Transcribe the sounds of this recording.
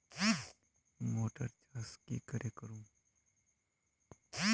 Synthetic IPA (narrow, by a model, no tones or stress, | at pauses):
moːʈəɾt͡ʃaːskikɐɾʔekəɾũː